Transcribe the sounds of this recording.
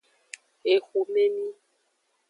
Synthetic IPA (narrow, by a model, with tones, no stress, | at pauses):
e˨xu˨me˦mĩ˦